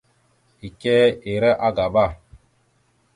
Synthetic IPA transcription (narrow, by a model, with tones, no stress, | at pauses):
i˨kɛː˦e˨ɾɛ˦ʔa˦ɡa˨ba˦˨